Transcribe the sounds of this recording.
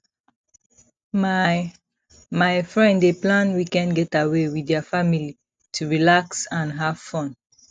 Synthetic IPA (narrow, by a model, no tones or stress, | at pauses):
ma | majfɹɛ̃ndeplãnwikɛ̃nɡɛtawewidɛfamili | tʰuɹilaksãnɦav̥fɔ̃n